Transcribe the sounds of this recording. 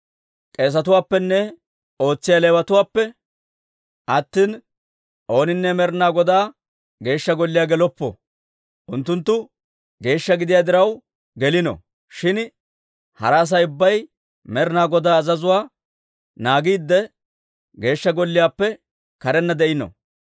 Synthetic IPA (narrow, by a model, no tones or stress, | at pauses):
kʼeːs̬ɐt̪ʊwaːpːɛnːɛ | o̞ːt͡sːɪjaleːwɐt̪ʊwaːpːɛ | ʔɐt̪ːiːn | ʔo̞ːnɪnːɛmɛɾnaːɡɔd̪aː | ɡe̞ːʃːɐɡɔlːɪjaːɡɛlɔpːɔ̰ | ʔʊnt̪ːʊnt̪ːʊ | ɡe̞ːʃːɐɡɪd̪ɪjaːd̪ɪɾɐw | ɡɛlɪnɔ̰ | ʃɪn | hɐ̰ɾaːs̬ɐjʊbːɐj | mɛɾɪnaːɡɔd̪aːzɐzʊwaː | naːɡiːd̪ːɛ | ɡe̞ːʃːɐɡɔlːɪjaːpːɛ | kɐɾɛnːɐd̪ɛʔɪnɔ̰